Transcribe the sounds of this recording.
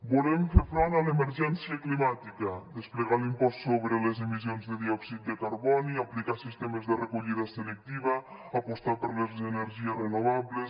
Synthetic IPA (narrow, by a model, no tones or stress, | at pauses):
bulemfeɾfɾɔnalemeɾʒɛnsiaklimat̪ikəd̪espleɣalimpɔst̪soβɾelezemizjonzðeðiɔksit̪̚d̪ekaɾβɔniaplikasist̪emezðerekuʎiðaselek̚t̪iβa | apost̪apəɾlezeneɾʒiesrenoβ̞aβles